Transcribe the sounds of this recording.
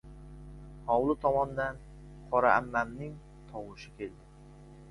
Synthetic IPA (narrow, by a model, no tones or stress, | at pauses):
hɒwlˠɪt̪ʰɒmɒnd̪an | qʰɒɾaamːamnɪŋ | t̪ʰɒwʊʃɪkʲʰe̞ld̪ɪ